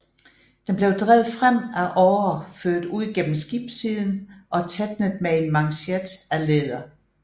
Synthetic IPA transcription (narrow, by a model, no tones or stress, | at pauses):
d̥enb̥le̝ʊd̥ʁɛːð̞̩ˠfʁam̰æʔɒːɐføɐ̰d̥uð̰ˠiɡ̥en̰m̩sɡ̥ib̥siðˠn̩ʔɒ̽t͡sʰed̥nəð̩ˠmee̝nmɑ̈ŋɕed̥æleːðˠɐ